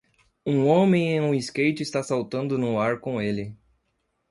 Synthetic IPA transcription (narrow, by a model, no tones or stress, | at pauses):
ũõmẽj̃ẽj̃ũiskejt͡ʃɪst̪asawt̪ɐ̃nd̪ʊnʊaɾkõelɪ